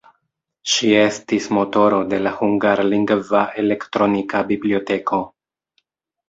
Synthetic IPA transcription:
ʃie̞stismo̞to̞ɾo̞de̞lahuŋɡaɾliŋɡvaʔe̞le̞ktɾo̞nikabiblio̞te̞kʰo̞

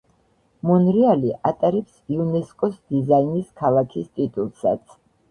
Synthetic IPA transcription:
mɔnɾialiʔat̪ʼaɾɛpsiunɛskʼɔsd̪izainiskʰalˠakʰist̪ʼit̪ʼulˠsa̰t̪sʰ

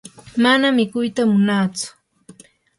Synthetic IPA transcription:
manamɪkʊjt̪amʊnaːt͡sʊ̥

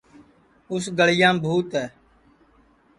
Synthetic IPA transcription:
ʊs̬ɡəɭɪjãːbʱuːt̪ɦɛː

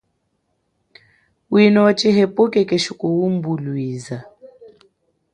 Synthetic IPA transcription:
winɔt͡ʃʼɪɦepʼʊkʼɛkʼeʃukʼowum̩bulwiːza

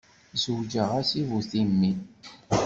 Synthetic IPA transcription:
zəwd͡ʒəʁæsivuθimːin

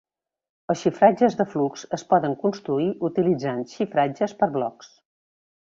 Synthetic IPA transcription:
əsʃifɾad͡ʒəzðəfluksəspɔðəŋkunst̪ɾuiʔut̪ilid͡zanʃifɾad͡ʒəspəɾβlɔks

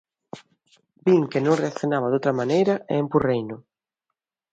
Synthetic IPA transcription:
biŋkenõŋreakθjonaβaðowt̪ɾɐmanejɾɐeːmpurejnʊ

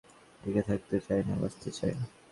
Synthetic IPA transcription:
ʈiket̪ʰak̚t̪et͡ɕajna̰ba̰st̪ʰet͡ɕa̰jni

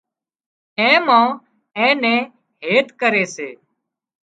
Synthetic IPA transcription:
ɛ̃ːmãː | ɛ̃ːnɛ̃ː | ɦeːt̪kəɾeːseː

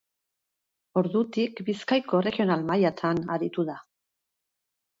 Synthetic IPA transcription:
o̞ɾðut̪ikbiskajko̞re̞ɣio̞nalmajat̪ʰanaɾit̪uða

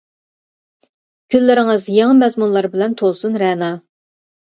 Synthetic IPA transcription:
kʲʰylːɪɾɪŋɨzjɑŋɑmɛzmunlˠɑɾbɪlɛnt̪ʰolˠsunɾɛːnɑ

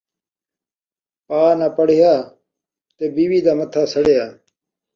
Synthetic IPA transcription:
paːnaːpəɽejaː | t̪eːbiːwiːd̪aːmət̪ʰaːsəɽejaː

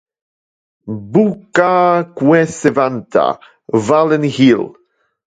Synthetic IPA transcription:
bukakwɛsevant̪ʰa̰ | valɛnhil

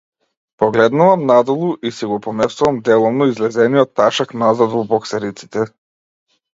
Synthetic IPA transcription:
pɔɡlɛd̪nuvamnad̪ɔlˠuʔisiɡɔpɔmɛst̪uvamd̪ɛlˠɔvnɔizlɛzɛnijɔt̪ːaʃaknazad̪vɔbɔksɛɾit̪si̥t̪ɛ

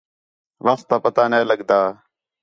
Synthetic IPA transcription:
ʋaːst̪aːpət̪aːneːləɠd̪aː

